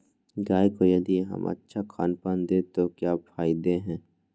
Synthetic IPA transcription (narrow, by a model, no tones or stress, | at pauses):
ɡaːjkojɐd̪iɦɐ̰mə̰tːʃʰakʰa̰ːnpaːnd̪eːt̪okjaːpʰaːɪd̪eɦɛ̃ː